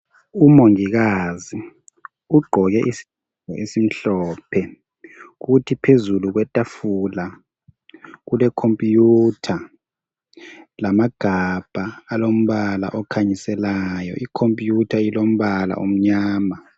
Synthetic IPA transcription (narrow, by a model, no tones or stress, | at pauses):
umoŋiɣ̬azi | uɡ͡ǃʱɔɣ̬ɛʔisi̥ | ɔʔesim̩ɬɔːpʰɛ | k̬utʰipʰezuluk̬wɛtʼafula | k̬ulɛkʰompʼjutʰa | lamaɡ̥ʱab̥ʱaːlom̩βala̰ʔɔkʰaɲisɛlaːjɔ̰ʔikʰompʼjutʰailom̩βala̰ʔom̩ɲaːma